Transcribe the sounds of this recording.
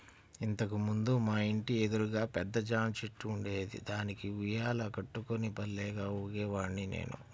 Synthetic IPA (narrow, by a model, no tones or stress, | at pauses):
int̪ɐkimund̪umaːiɳʈie̞d̪uɾuɡaːpɛd̪ːɐd͡ʒaːmt͡ʃeʈːuːɳɖeːd̪ḭd̪aːnikiʋujaːlɐkɐʈːukonibɐlːɛːɡaːuːɡɛːʋaːninḛːnṵ